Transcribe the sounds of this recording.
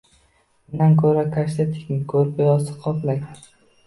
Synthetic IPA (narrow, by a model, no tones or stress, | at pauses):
ɪnankʰɵɾakʰaʃt̪ʰat̪ʰɪ̥kʲɪkʰɵɾpɪjɒsɪ̥qʰɒplaj